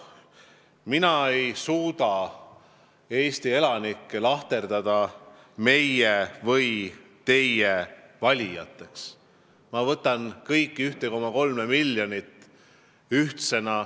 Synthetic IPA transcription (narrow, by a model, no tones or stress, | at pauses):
minɑe̞jsuːd̪ɑ | e̞ːst̪ie̞lɑnikːelɑht̪e̞rd̪ɑd̪̥ɑ | me̞jevɤj | t̪e̞jːevɑlʲijɑ̰t̪ːˑe̞ks | mɑvɤt̪ːˑɑnkɤjkːiyht̪eko̞mɑko̞lme̞milʲːjo̞nit̪ːˑ | yht̪se̞nɑ